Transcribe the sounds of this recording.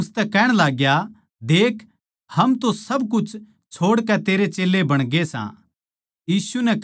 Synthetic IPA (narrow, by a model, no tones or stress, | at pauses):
ʊst̪ɛkɛːɽ̃laːɡja | d̪eːkʰ | hɐmt̪osɐbkʊt͡ʃʰ | t͡ʃʰoːɽkɛt̪eːɾet͡ʃeːlːebɐɽ̃ɡesã̰ | jiːsunɛ